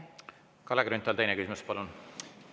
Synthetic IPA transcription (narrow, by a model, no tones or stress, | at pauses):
kɑleɡɾynt̪ːˑɑlt̪ejnekysimuspɑlun